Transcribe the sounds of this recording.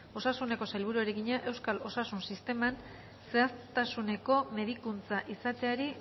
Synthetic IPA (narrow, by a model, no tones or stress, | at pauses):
o̞sasune̞ko̞sajlβ̞uɾueɾeɣiɲaʔe̞wskalo̞sasunsist̪e̞man | se̞ast̪asune̞ko̞me̞ð̞ikunt͡saʔisat̪e̞aɾi